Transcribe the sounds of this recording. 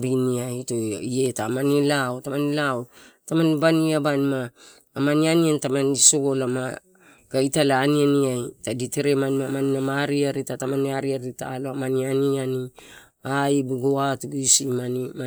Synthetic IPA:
biniajtoie̞tamanilaotamanilawtamanbaniabanimaː | manianiantamaniso̞ɡo̞lama | ɡ̥ajitalaːnianiajtaditeɾemanmamanimamaɾiaɾitatamaniaɾiaɾitaːloamanianiani | aibuɡoatuɡuisimania

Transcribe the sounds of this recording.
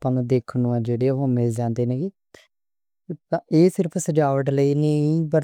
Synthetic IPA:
pãːnːd̪eːkʰnũːɛ̃ːd͡ʒeːɽeːɦõːmɪld͡ʒãːnd̪eːnẽːɡiː | eːsɪɾəpʰsəd͡ʒaːʋəʈləiːnə̃ĩbəɾ

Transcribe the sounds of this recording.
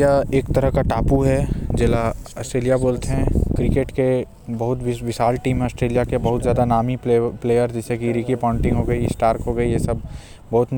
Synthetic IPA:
jaeːkt̪ɐɾəɦkaʈaːpuɦɛd͡ʒɛːlaɐːsʈɾeːlijaboːlt̪eɦɛ̃kɾɪkeːʈke | bɐɦʊt̪ʋɪʋɪʃaːlʈiːm̃ɐːsʈɾeːlijakebɐɦʊt̪zjaːd̪anaːmipleːjəɾd͡ʒɛsekiɾiːkipãːʊ̃ɳʈɪ̃ŋɡɦoːɡɐisʈaːɾkɦoːɡɐijesɐb̚ | bɐɦʊt̪n

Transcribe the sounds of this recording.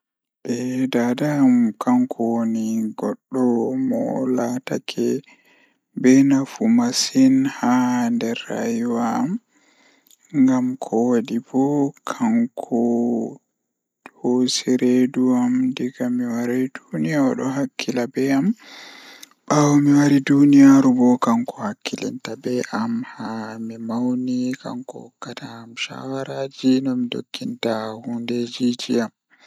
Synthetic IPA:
ʔɛdadaːmkʰaŋkʰɔwoniɡɔɗːɔmɔ̰latakʰɛ | bɛnafumasinhandɛɾːa̰juwaːm | ŋɡamkʰɔwadibɔkʰaŋkʰɔ | hosiɾeduamdiɡamiwaɾajdunijaɾ̰ɗɔ̰ɦakʰːilabɛam | ɓawɔmiwaɾidunijaɾubɔkaŋkʰɔhakʰːilɛ̰ntabɛʔamhamimawnika̰ŋkɔ̰hɔkːataːmʃa̰waɾad͡ʒinɔmido̰kʰːintahunded͡ʒid͡ʒiam

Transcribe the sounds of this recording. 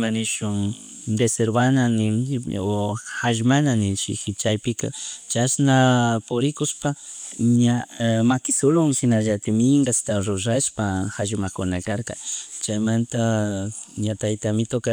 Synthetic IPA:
manɪʃʊŋ | d̪eseɾbananɪoxaʒmananɪʃɪ̰xɪt͡ʃajpɪka̰t͡ʃasnapʊɾɪkʊʃpaɲamakɪsʊlʊŋʃɪnaʒat̪ɪmɪŋɡast̪aɾʊɾaʃpaxaʒmakʊnakaɾka̰t͡ʃajmant̪a | ɲat̪ajt̪amɪt̪oka

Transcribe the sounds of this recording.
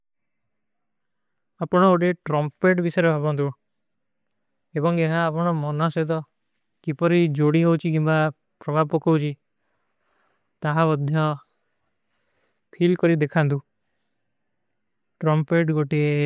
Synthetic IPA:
apɔɽ̃ɔoʈieʈɾɔmpeʈbisɔɾebʱabɔnt̪u | ebɔŋeɦaːpɔɽ̃ɔmɔnaset̪ɔ | kipɔɾid͡ʒoɽiɦowt͡ʃʰikimba | pɾɔbʱabɔkowt͡ʃʰi | t̪aɦabɔd̪ʱjɔ | pʰilkɔɾid̪ekʰant̪̬u | ʈɾɔmpeʈɡoʈie

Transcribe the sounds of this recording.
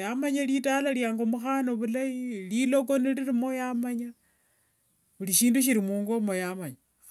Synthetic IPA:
jamaɲalitalaljaːŋɡomuxano̞βulajililo̞k̬o̞niliɾimo̞jamaɲa | βuliʃiːnduʃ̬iɾimuːŋɡo̞mo̞jamaɲa

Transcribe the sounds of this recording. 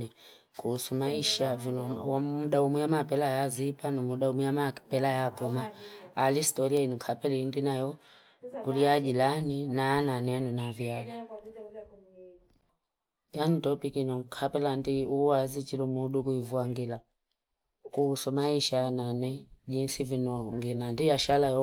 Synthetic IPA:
ɛ | kuusumaiʃavunɔwamuɗaumujamapɛlajazipanumuɗaumujamapɛlajapumaːlistɔɾiainiŋkʰapɛlɛindinajɔ | kulijaʄilaninaananɛjanunavjali | janutɔpikinɔŋkʰapɛlandiuwazit͡ʃilumuɗukuivuaŋɡila | kusɔmaiʃaananɛʄinsivinɔŋɡinandijaʃalajɔ

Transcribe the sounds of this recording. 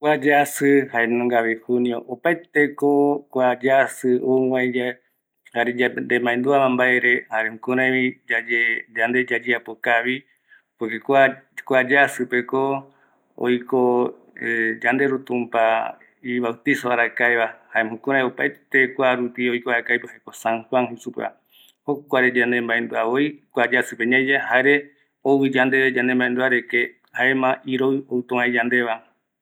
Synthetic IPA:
kʷad͡ʒasɨhaenõŋɡaβehuniõ̰ʔopaet̪ekokʷad͡ʒasɨowãed͡ʒa | haɾed͡ʒand̪emãẽnd̪uamãmbaeɾehaɾehũkũɾãjβiad͡ʒed͡ʒand̪e̞d͡ʒad͡ʒiapokaβi | pekekʷakʷad͡ʒasɨpe̞ko | o̰jko | d͡ʒand̪eɾut̪ũmpa | iβawt̪isoβaɾakaeβahaemhũkõɾajopaet̪ekʷaɾupiojkoaɾakajpɨhakosãŋhwaŋhesupa̰ | hokʷaɾed͡ʒand̪ẽmbaẽnd̪uaβoikʷad͡ʒasɨpeɲãd͡ʒahaeɾe | owid͡ʒand̪e̞βed͡ʒand̪embaend̪uaɾeke | haemãʔiɾoɨowt̪õãed͡ʒand̪e̞βa

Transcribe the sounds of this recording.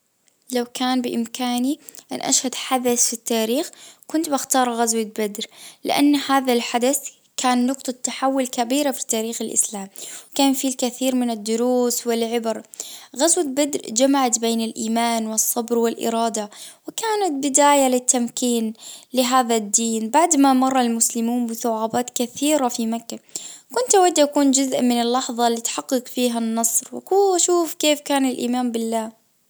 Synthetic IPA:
lawkaːnbɪʔɪmkaːniʔa̰nʔa̰ʃhad̪ħad̪aθfit̪ːaːɾiːxkʊnt̪baxt̪ɑːɾˤɣazwabad̪ɾlɪ̰ʔanːhaːðalħad̪aθ | kʰaːnːʊqt̪ˤɑt̪ːaħawːʊlkabiːɾafi̥t̪aːɾiːxɪlʔɪ̰slaːmwkaːnfilkaθiːɾmɪnɪd̪ːʊɾuːswɪlʕɪbɾɣazwat̪̚bɪd̪ɾd͡ʒamaʕat̪beːnɪlʔiːmaːnwɨsˤːɑbɾwɪlʔɪ̰ɾˤɑːd̪awɪkaːnat̪̚bɪd̪aːjalɪt̪ːamkiːnlɪɦaːðad̪ːiːnbaʕd̪mamɑrˤːɑlmʊslɪmuːmbɪθʊʕaːbaːt̪kaθiːɾafimakːakʊnt̪ʔawad̪ːʔakuːnd͡ʒʊzʔmɪnɪlːɑħðˤɑlːit̪ħɑqːɨqfiːɦanːɑsˤɾwɪ̰kuːʃuːfkeːfkaːnɪlʔḭːmaːmbɪlːaː

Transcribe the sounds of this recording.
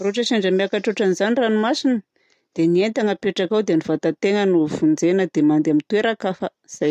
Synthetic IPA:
roʈ͡ʂəʃaɳɖ͡ʐəmiakaʈ͡ʂoʈ͡ʂanizaniranimasinə | d̪̥enient̪aŋəpeʈ͡ʂakawd̪enivat̪at̪eŋənufund͡zenəd̪emand̪amint̪weɾakafə | z̥a

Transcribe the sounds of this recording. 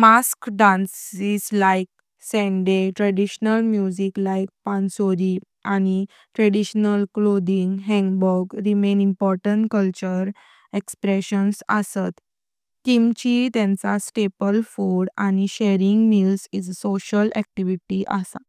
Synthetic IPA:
maskɖãnsizlaik̚ | sɛ̃nɖeʈɾɛɖiɕnəlmjud͡ʑiklaik̚pãnsoɾi | aɽ̃i | ʈɾeɽiɕnəlklod̪iŋɡɦɛ̃ŋɡbɔɾɡɾimenimpɔɾʈəɳʈkəlt͡ɕəɾ | ekspɾeɕənsə̰sat̪ | kimt͡ɕit̪ãnt͡sasʈepəlfoɽañiɕeɾiŋɡmizid͡zsoɕəlɛk̚ʈiʋiʈiʔə̰sa̰

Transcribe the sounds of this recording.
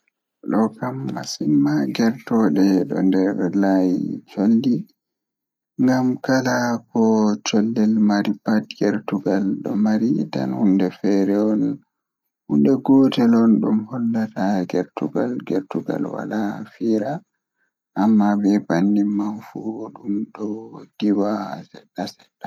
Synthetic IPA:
ɗɔkamːasimːaɡɛɾtɔɗɛɗɔ̰ndɛɾlajḭt͡ʃolːi | ŋɡamkalakɔt͡ʃɔlːɛlmaɾipat̚ɡɛɾtuɡalɗɔ̰maɾita̰nhundɛfɛɾɛɔn | hundɛɡɔtɛlɔnɗumhɔlːataɡɛɾtuɡa̰lɡɛ̰ɾtuɡa̰lwa̰lafiːɾa | ʔːmːabɛbanːimːanfuɗumɗɔd̥iwasɛɗasɛda

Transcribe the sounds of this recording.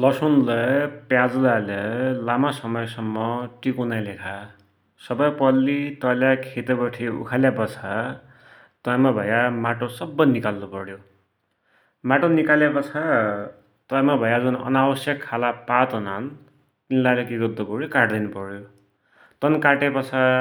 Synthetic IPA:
lʌsonlʌpjad͡zlalʌlamasʌmʌjsʌmːʌʈikunajlekʰa | sʌbʌjpʌlːit̪ʌljakʰet̪ebʌʈʰiṵkʰaljapʌt͡sʰa | t̪ʌjmabʱʌjamaʈosʌbːʌnikalːupʌɽjo | maʈonikaljapʌt͡sʰa | t̪ʌjmabʱʌjad͡zunʌ̰nabʌsjʌkʰːalapat̪ɦunan | t̪inlalekiɡʌd̪ːukuɽjokaʈd̪inupʌɾjo | t̪ʌnkaʈepʌt͡sʰa

